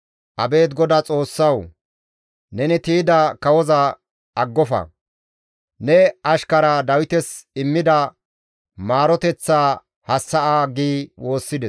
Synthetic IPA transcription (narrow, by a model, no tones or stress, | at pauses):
ʔɐbe̞ːt̪ɡɔd̪ɐt͡sʼo̞ːsːɐw | nɛnɪt̪iːd̪ɐkɐwɔzɐ | ɐɡːɔfɐ̰ | nɛɐʃkɐɾad̪ɐwɪt̪ɛsɪmːɪd̪ɐ | maːɾɔt̪ɛt͡sːaː | hɐsːɐʔaːɡiːwo̞ːsːɪd̪ɛ